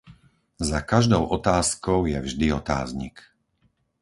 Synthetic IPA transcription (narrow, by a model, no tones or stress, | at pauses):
zakaʒd̪ɔʊʔɔt̪aːskɔʊjɛvʒd̪iɔt̪a̰ːzɲḭk